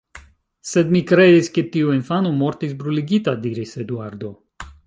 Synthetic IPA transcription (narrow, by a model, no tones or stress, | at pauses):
sed̪mikɾedisket̪iuinfanomo̞ɾt̪isbɾuliɡit̪ad̪iɾised̪uaɾd̪o̞